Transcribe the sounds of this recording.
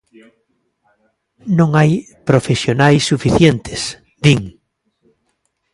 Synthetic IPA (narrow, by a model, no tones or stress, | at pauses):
nõŋaj | pɾofesjonajsːufiθjent̪ʰɪs | d̪iŋ